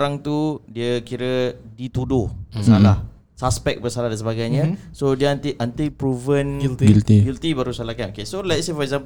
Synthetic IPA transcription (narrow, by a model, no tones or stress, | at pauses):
ɾaŋt̪udiəkiɾədit̪udʊhbəsalah | saspɛk̚bərsalaɦdans̬əbaɡajɲə̃sodiəant̪iʔant̪ipɾuvənlilt̪iɡilt̪ibaɾusalahkanokesolɛjtsefɔɾɛk̚zãmp